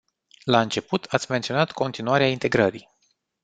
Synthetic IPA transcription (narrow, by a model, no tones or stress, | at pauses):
laɨnt͡ʃe̞put̪ʰat̪sʲme̞nt̪sionat̪ko̞nt̪inuaɾeaint̪e̞ɡɾəɾi